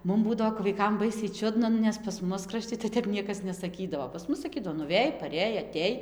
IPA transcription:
ˈmʊm ˈbuːdɐʋoː kɐp ʋɐɪˈkɐm ˈbɐɪsʲɛɪ ˈt͡ʃʲʊdnɐ ˈnʊ nʲɛs pɐs ˈmʊs krɐˈʃʲtʲɪ tɐɪ ˈtʲɛp ˈnʲiɛkɐs nʲɛsɐˈkʲiːdɐʋoː pɐs ˈmʊs sɐˈkʲiːdɐʋoː pɐs ˈmʊs sɐˈkʲiːdɐʋoː nʊˈʋʲeːj pɐˈrʲeːj ɐˈtʲeːj

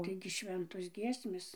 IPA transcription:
ˈtɐɪɡʲɪ ˈʃʲʋʲɛntoːs ˈɡʲiɛsʲmʲeːs

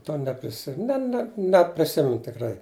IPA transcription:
ˈtoː nʲɛpʲrʲɪˈsʲɪ ˈnʲɛ nʲɛ nʲɛpʲrʲɪˈsʲɪmʲɛnʊ tʲɪkˈrɐɪ

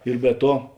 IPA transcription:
ɪr bʲɛ ˈtuɔ

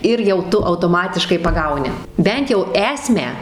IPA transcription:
ˈɪr jɛʊ ˈtʊ ɐʊtoːˈmɑːtʲɪʃkɐɪ pɐˈɡɐʊnʲɪ ˈbʲɛnt jɛʊ ˈæːsʲmʲæː

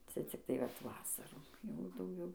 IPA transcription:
ˈt͡sʲɛ t͡sʲɪkˈtɐɪ ʋɐt ˈʋɑːsɐruː ˈjɛʊ dɐʊˈɡʲɛʊ

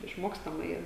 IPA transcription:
ɪʃˈmoːkstɐmɐ ˈiːrɐ

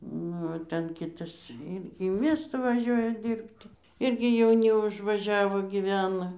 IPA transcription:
ˈnʊ oː ˈtʲɛn ˈkʲɪtɐs ˈɪrʲɡʲɪ iː ˈmʲiɛstɑː ʋɐˈʒʲuɔjɛ ˈdʲiːrʲpʲtʲɪ ˈɪrʲɡʲɪ jɛʊˈnʲɪ ʊʒʋɐˈʒʲæːʋoː ɡʲiːˈʋʲæːnɐ

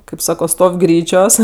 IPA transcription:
kɐɪp ˈsɑːkoː ˈstoːw ˈɡrʲiːt͡ʃʲoːs

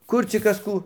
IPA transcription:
ˈkʊr t͡sʲɪk ˈkɐs ˈkuː

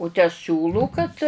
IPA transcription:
ʊ tʲæː ˈsʲuːlˠuː kɐt

